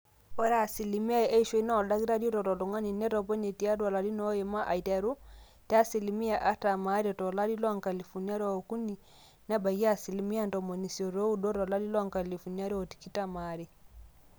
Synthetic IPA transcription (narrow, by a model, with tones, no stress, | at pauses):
ɔ˦ɾa˨si˨li˨mi˦a˦ɛ˦i˦ʃwe˦i˦na˦ɔ˨la˦ɣi˦ɾa˦di˦ɔ˦tɔ˨tɔ˨tɔ˨ŋa˦ni˨nɛ˦tɔ˨pɔ˦ɲe˨ti˨a˦dwa˨la˨ɾi˦nɔ˦e˨ma˦ʔa˨i˨ta˨ɾu˦ | ta˦si˨li˦mi˦a˨ʔa˦ta˨ma˨˦ɾi˦ɔ˨tɔ˨la˦di˦lwa˦ŋka˨li˨fu˨ni˦a˦ɾa˨o˨ku˦ni˨ | na˦ba˨ɣi˦a˦si˨li˨mi˦a˦ntɔ˨mɔ˨ni˨siɔ˨ɾɔ˦u˦dɔ˦tɔ˨la˦li˦lwa˦ŋka˨li˨fu˨ni˦a˦ɾjɔ˨ti̥˨ki˦ta˦maɾi˨